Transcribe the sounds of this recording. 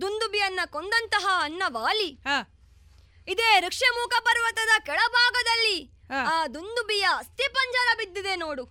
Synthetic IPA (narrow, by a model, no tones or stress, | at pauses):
d̪und̪ubijɐnːɐkond̪ɐnt̪ɐɦɐːnːɐʋaːli | id̪eːɾɐkʂemuːkʰɐpɐɾʋɐt̪ɐd̪ɐkɛɭɐbʱaːɡɐd̪ɐlːi | aːd̪und̪ubijɐɐst̪ipɐɲd͡ʒɐɾɐbid̪ːid̪enoːɽu